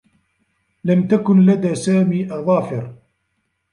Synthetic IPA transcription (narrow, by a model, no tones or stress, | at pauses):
lamt̪akʊnlad̪aːsaːmiːʔɑðˤɑːfɪɾ